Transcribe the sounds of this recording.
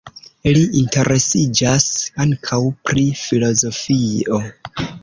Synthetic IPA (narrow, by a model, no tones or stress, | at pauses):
iliʔintʰe̞ɾʔe̞sid͡ʒasaŋkʰawpɾifilo̞zo̞fio̞